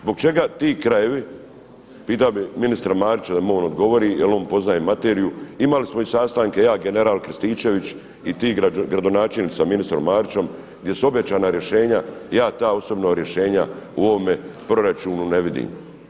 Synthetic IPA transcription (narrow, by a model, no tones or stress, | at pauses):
zboɡ̚t͡ʃe̞ɡat̪iːkɾaje̞ʋi | piːt̪aobiminist̪ɾamaːɾit͡ʃad̪amoːnod̪ɡo̞ʋo̞ɾijelo̞ːmpo̞znajemːat̪e̞ːɾijuimalismo̞isaːst̪aːŋke̞jaːɡe̞ne̞ɾaːlkɾst̪iːt͡ʃe̞ʋit͡ʃ | it̪iːɡɾad̪onaːt͡ʃelnit̪saminist̪ɾo̞mːaːɾit͡ʃo̞m | ɡd̪je̞suo̞bjat͡ʃaːnaɾje̞ʃe̞ːɲajaːt̪aːo̞so̞bnoɾje̞ʃe̞ːɲauo̞ʋome̞pɾo̞ɾat͡ʃuːnune̞ʋid̪ḭːm